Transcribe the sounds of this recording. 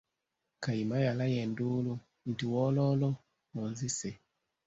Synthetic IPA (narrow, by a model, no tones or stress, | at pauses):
kaimajalajɛndulu | n̩tiwɔlɔlɔ | mɔnzise